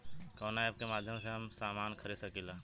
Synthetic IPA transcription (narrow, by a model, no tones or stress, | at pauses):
kɔːnaeb̚kemaːd̪ʱjəmseɦɐmsaːmaːnkʰəɾid̪sɐkiːlaː